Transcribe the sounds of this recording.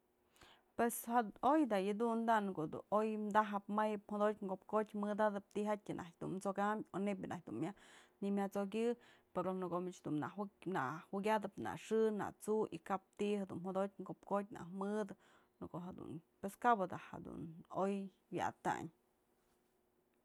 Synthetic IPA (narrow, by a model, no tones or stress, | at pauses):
pweshaojd̪ajɨd̪und̪ankod̪ṵojmd̪aɦɨpmajɨp̚hod̪otʲŋɡop̚kotʲmɨd̪ad̪ɨp̚t̪ihatʲɨnʔakʲd̪unmt͡sokamʲonep̬ʲjanʔa̰hk̚ʲd̪unmʲanimʲat͡sokʲɨpeɾonɨkomit͡ʃd̪unana̰ʔwiɡʲad̪ɨpna̰ʂɨna̰t͡suʔikap̚t̪ihad̪ṵnhod̪ot̚ʲŋɡopkot̚ʲna̰hmɨd̪ɨ | nɨkoʔɦad̪ṵnpweskabɨd̪aha̰d̪ṵnoj | wʲja̰at̪a̰ɲ